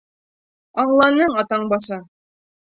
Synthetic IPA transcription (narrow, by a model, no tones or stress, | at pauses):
ɑɴlˠɑnɤɴɑt̪ɑɴbɑʃɤ